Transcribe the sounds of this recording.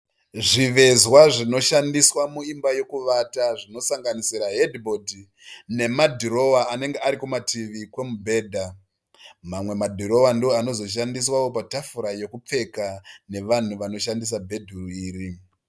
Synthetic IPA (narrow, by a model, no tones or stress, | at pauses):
ʐiʋe̞zwaʐino̞ʃandiswamuimbaje̞kuʋataʐino̞saŋɡanisiɾaɦedibodi | ne̞madʱuɾo̞waːne̞ŋɡeaɾikumatʰiʋikwe̞mubʱe̞ːdʱa | mamwe̞madʱuɾo̞wandioano̞zo̞ʃ̬andiswawo̞patafuɾaje̞kup͡fe̞kane̞ʋan̤uʋano̞ʃandis̬abʱe̞dʱuriːri